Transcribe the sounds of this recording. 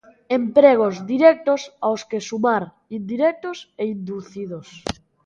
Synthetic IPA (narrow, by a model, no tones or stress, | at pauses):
empɾeɣ̞ozd̪iɾɛk̚t̪osawskesumaɾ | ind̪iɾɛk̚t̪oseind̪uθiðos